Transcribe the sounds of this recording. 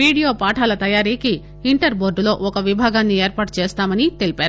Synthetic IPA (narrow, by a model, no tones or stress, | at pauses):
ɾiːɽijoːpaːʈʰaːlɐt̪ɐjaːɾiːkiː | ɳʈɐɾbo̞ːɾɖlo̞ːʔɔkɐʋibʱaːɡaːnːieːɾpaːʈt͡ʃeːst̪aːmɐnit̪e̞lipaːɾuu